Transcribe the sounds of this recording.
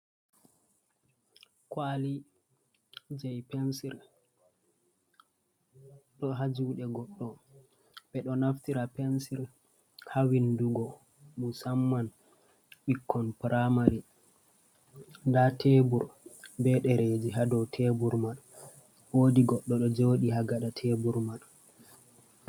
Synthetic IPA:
kwali | d͡ʒɛjpɛnsiɾ | ɗɔɦad͡ʒuɗɛɡɔɗːɔ | b̥ɛɗɔnaftiɾapɛnsiɾ | hawinduɡɔ | musamːan | ɓikʰːɔnpɾamaɾi | ndatebuɾbɛɗɛɾed͡ʒiɦadɔwtʰebuɾmal | wodiɡɔɗːɔɗɔd͡ʒoːɗiɦaɡaɗatʰebuɾmal

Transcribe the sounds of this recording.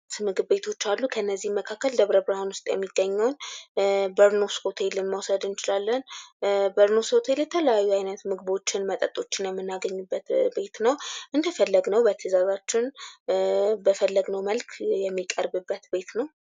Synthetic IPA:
mɨɡɨβbe̞t̪ʰo̞t͡ʃːalːukʰəɨnːəzːihməkʰakːəld̪əβɾəbɾhanwʊst̪ʼjɛ̰mːiɡəɲːəwn | bəɾnoskot̪ʰelɨnməwsəd̪ɨnt͡ʃɪlalːənbəɾnoskot̪ʰelt̪ʰələjajːuajnət̪mɨɡɨβo̞t͡ʃːɪnmət̪ʼət̪ʼo̞t͡ʃːɪnjɛmːɨnːaɡəɲːubːət̪be̞t̪nəwʔɨnd̪əfəlːəɡnəwbət̪ʰəzazat͡ʃːɪn | bəfəlːəɡnəwməlkʰjɛmːikʼəɾbɨbːət̪be̞t̪nəw

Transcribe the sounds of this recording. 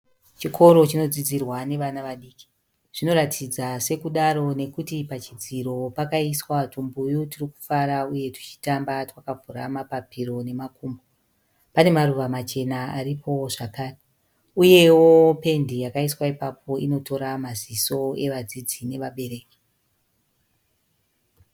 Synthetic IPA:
t͡ʃikʰo̞ɾo̞t͡ʃino̞d͡zid͡zirwane̞ʋanaʋaɗiːki̥ | ʐ̥ino̞ɾatʰid͡zase̞kuɗaɾo̞ne̞kutipat͡ʃid͡ziɾo̞pakaiswatumbujutiriku̥faɾauje̞tu̥t͡ʃi̥tambatwakavʱuɾamapapiɾo̞ne̞makuːmbo | pane̞maruʋamat͡ʃe̞naaɾipʰo̞ʐakaːre | uje̞wo̞pe̞ndijakaiswaipapʰo̞ino̞to̞ɾamaziso̞e̞ʋad͡zid͡zine̞ʋaɓe̞ɾe̞ːki̥

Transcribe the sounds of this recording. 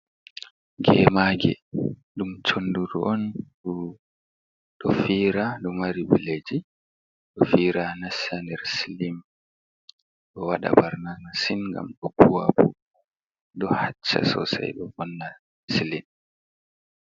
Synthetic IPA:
ɡɛmaːɡɛ̰ɗumt͡ʃonduɾuʔɔnɗu | ɗɔfiːɾaɗɔmaɾibiled͡ʒi | ɗɔfiːɾanasandɛɾsilim | ɗɔwaɗa̰baɾnanasinŋɡa̰mɗɔbuwabu | ɗɔhat͡ʃːa̰sɔ̰sa̰jɗɔbɔnːa | silin

